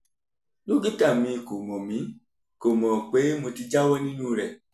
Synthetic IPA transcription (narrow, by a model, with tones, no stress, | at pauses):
lu˦ɡi˦ta˦˨mĩ˨˧˨ko˨mɔ̃˨mĩ˨˦ | ko˨mɔ̃˨k͡pe˨˦mo˧ti˧d͡ʒa˦wɔ˦nĩ˦nũ˦˨ɾɛ˨